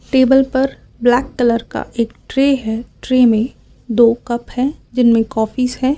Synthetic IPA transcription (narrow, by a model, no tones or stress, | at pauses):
ʈeːbəlpɐɾ | blɛːkkələɾka̰ʔeːk̚ʈɾeːɦɛʈɾemẽ | d̪oːkɐpɦɛːd͡ʒɪnmẽkɔːfisɦɛː